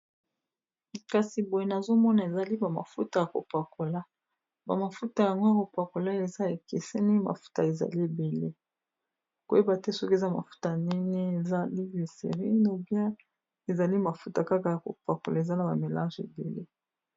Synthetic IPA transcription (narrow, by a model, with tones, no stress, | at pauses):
ka˨si˨bo˨je˨na˨zo˦mɔ˦na˨e˨za˨li˦ba˨ma̰˨fu˦ta˨ja˨ko̰˨pa˨ko˨la˦ | ba˨ma˨fu˦ta˨ja˨ŋɡo˦ko˨pa˨ko˨la˦e˨za˦e˨ke˨se˦ni˦ma̰˨fu̥˦ta˨e˨za̰˨li˦˨be˨le˦ | ko˨˦e˦ba˨te˦sɔ˦ke˨za˦˨ma̰˨fu̥˦ta˨ni˦ne˦e˨za˦li˦vi˨sḛ˨ʁi˦no˨bja˦ | e˨za˨li˦ma˨fu˦ta˨ka˦ka˨ja˨ko̰˨pa˨ko˨la˦e˨za˦na˨ba˨me˨lã˦ʒḛ˨bḛ˨le˦